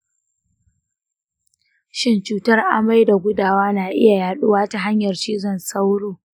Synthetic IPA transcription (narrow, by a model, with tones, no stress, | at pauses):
ʃɪ˦nt͡ʃuː˦tɐ˦rʔa˨ma˦jda˨ɡʷʊ˦daː˦waː˦naː˨ʔɪ̰˦ja˨jaː˨ɗʊ˦waː˦ta˨ɦa˦ɲjɐ˨rt͡ʃiː˦zɔ˦˨nsa˦wɽoː˨